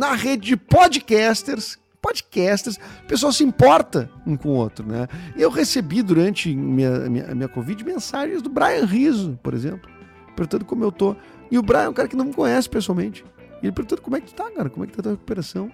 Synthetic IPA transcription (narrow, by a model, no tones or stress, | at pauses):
nɐʁed͡ʒɪd͡ʒɪpɔd͡ʒɪkɛst̪eɾs | pɔd͡ʒɪkɛst̪eɾspesuawsɪĩmpɔɾt̪ɐũkõo̰t̪ɾʊnɛ̰ewʁesebid̪uɾɐ̃nt͡ʃɪmĩɲɐ̰mḭ̃ɲɐ̰mĩɲɐkovid͡ʒɪmẽsaʒẽj̃zd̪ʊbɾajɐ̃ʁizʊpoɾḛzẽmplʊ | poɾt̪ɐ̃t̪ʊkõmʊewt̪o | ɪʊbɾajɐ̃kaɾɐkɪnɐ̃w̃mɪkõɲ̃ɛsɪ̥pesuawmẽnt͡ʃɪ̥ | elɪpɾot̪ɐ̃t̪ʊkomʊɛkɪt̪u̥t̪aɡɔɾɐkõmʊɛkɪt̪at̪uɐheku̥peɾasɐ̃w̃